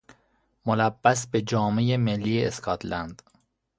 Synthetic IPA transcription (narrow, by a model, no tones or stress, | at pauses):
molæbːæsbed͡ʒɒːmejemelːiːeeskʰɒt̪lænd̪̥